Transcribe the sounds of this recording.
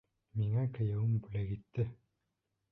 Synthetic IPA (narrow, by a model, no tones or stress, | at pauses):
miŋækɘ̆jæ̆wɘmbʉlækit̪ːɘ